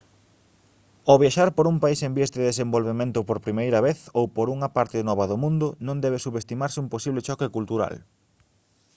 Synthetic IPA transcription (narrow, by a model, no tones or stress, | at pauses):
oβjaʃaɾpoɾumpaisẽmbjest̪ɾeðes̬embolβemẽnt̪ʊpoɾpɾimejɾɐβeθowpoɾuŋɐpaɾt̪ɪnɔβɐðomũnd̪ʊnõŋd̪ɛβ̞esuβest̪imaɾsɪumposiβlɪt͡ʃɔkɪkult̪uɾa̰l